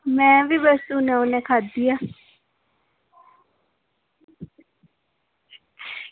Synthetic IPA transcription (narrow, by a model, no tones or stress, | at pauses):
mɛvibɛsstunɛunɛkʰad̪ija